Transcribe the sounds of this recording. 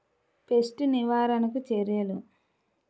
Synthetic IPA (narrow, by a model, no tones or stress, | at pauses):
pesʈuniʋaːɾɐnɐk̬ut͡ʃeɾjɐlu